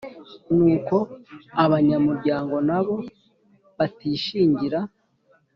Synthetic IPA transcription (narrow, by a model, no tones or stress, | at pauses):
nuːko̞aβaɲamuɾɟaːŋɡo̞naβo̞ | βatiːʃiːɲɟiɾa